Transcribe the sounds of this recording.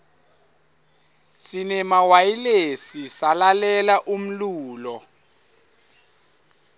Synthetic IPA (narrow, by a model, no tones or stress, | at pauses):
sinɛmawajilesisalalɛlaʔum̩luːlɔ